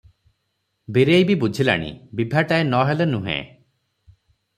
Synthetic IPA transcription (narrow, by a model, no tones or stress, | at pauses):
biɾejbibud͡ʒʱila̰ɽ̃ḭbibʱaʈaenɔɦelenuɦḛ̃